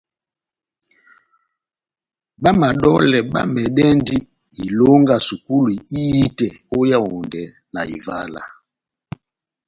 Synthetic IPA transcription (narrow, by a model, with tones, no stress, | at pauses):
ba˦ma˨ɗɔ˦lɛ˨ɓa̰˦mɛ˨ɗɛ˦ndi˦ | i˨lɔ˦ŋɡa˨su˨ku˦li˨i˦i˦tɛ˨o˦ja˦ɔ˨ndɛ˨ | na˨ḭ˨va̰˦la̰˨